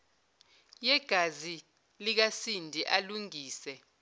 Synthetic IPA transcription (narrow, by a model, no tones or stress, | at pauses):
jɛɡ̥ʱazi | lik̬asindʱiʔaluŋiːsɛ